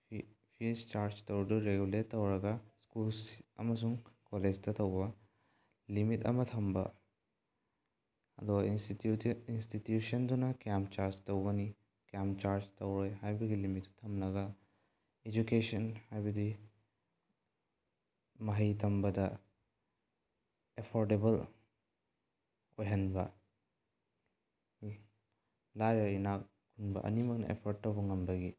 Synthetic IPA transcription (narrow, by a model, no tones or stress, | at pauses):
fist͡ʃaːɾt͡ʃt̪ɐwɖuɾeɡulet̪ɐwɾɐɡaskulsɐ̰mɐs̬uŋkoled͡ʒt̪ɐt̪ɐwʋa | limit̪ɐ̰mɐt̪ʰɐmbɐ̰ | ɐ̰d̪wa | instit̪juːʃɐnd̪unakaːmpt͡ʃaːɾt͡ʃt̪ɐwwɐni | kaːmt͡ʃaːɾt͡ʃt̪ɐwɾɐjɦajbiɡilimit̪u̥t̪ʰɐmlɐɡa | ed͡ʒukesɐnhajbɐdi | mɐɦɐjtʰɐmbɐdɐ | epʰoɾdebɐl | ojɦɐnbɐ | lajɾɐinak | kʰunbɐ̰ʔɐ̰nimɐk̚nɐ̰ʔḛpʰoɾ̚tːɐwbɐŋɐmbɐɡi